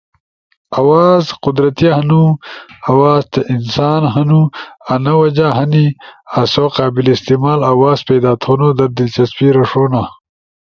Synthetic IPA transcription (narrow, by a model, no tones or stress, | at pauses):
ɐwaːzqʊd̪ɾɐt̪ihɐnuɐwaːzt̪eʔinsaːnɦɐnuanɐwɐd͡ʒaɦɐniasoqaːbilist̪imaːlɐwaːzpeːd̪aːt̪ʰonod̪ɐɾd̪ilt͡ʃɐspiɾɐʂoːna